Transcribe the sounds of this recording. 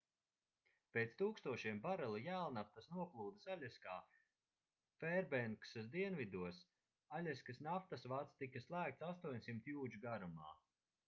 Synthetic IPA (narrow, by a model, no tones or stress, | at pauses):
peːt̪st̪uːkst̪uɔʃiɛmbaɾɛlˠijæːlˠnaft̪asnuɔklˠuːd̪asalʲɛskaː | fɛɾbɛŋksasd̪iɛnvid̪uɔs | aʎʲɛskɨsnaft̪asvat̪st̪ikaslˠæːk̚t̪sast̪uɔɲsimt̪juːd͡ʒuɡaɾuma̰ː